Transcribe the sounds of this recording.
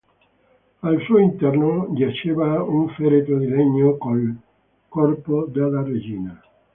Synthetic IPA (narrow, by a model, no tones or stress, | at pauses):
alsuːoint̪ɛrnoʎat͡ʃeːvauɱfɛɾet̪od̪ileɲːokol | kɔrpod̪elːared͡ʒiːna